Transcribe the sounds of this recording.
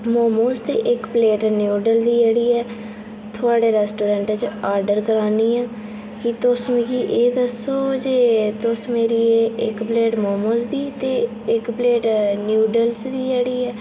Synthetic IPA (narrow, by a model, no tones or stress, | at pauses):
moːmoːst̪eːʔɪkpleːʈnjuːɖəld̪iːd͡ʒeːɽiːɛː | t̪ʰʊaːɖeːɾɛːsʈoːɾɛ̃ːɳʈɛt͡ʃaːɾɖəɾkəɾaːniːãː | kɪt̪ʊsmiːkiːʔeːd̪əsoːd͡ʒeːt̪ʊsmeːɾiːeːɪkpleːʈmoːmoːsd̪iːt̪eː | ɪkpleːʈnjuːɖəlsd̪iːd͡ʒeːɽiːɛː